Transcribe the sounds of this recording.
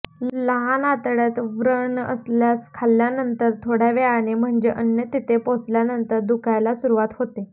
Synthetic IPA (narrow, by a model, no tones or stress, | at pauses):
ləɦanat̪ɽət̪ʋɾəɳə̰sljaskʰaljanənt̪əɾt̪ʰoɽjaʋɛanem̤əɳd͡ʑeʔənjət̪it̪ʰepot͡sljanənt̪əɾd̪ukʰajlasuɾuʋat̪ɦot̪e